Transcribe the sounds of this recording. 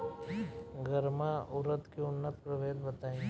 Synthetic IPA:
ɡəɾmaʊɾət̪keʊnːət̪pɾɐʋeːd̪bət̪aːĩ

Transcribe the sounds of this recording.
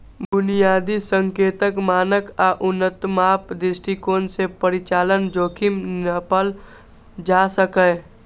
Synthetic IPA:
bʊnijaːd̪isə̃ŋkeːt̪əkmaːnəkaʔʊnːət̪maːpd̪ɪsʈikoːnsepəɾɪt͡ʃaːlənd͡ʒoːkʰɪmnəpəl | d͡ʒaːsəkəː

